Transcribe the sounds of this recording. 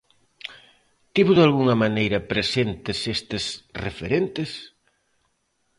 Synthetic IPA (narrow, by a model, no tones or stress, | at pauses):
t̪iβoðalɣuŋɐmanejɾɐpɾesent̪ɪsest̪ɪsrefeɾent̪ɪs